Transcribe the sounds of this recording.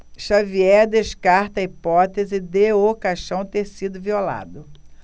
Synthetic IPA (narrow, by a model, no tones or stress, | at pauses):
ʃaviɛd̪eʃkaɾt̪ɐipɔt̪ezɪd̪eokaʃɐ̃w̃t̪eɾsid̪ʊviola̰d̪ʊ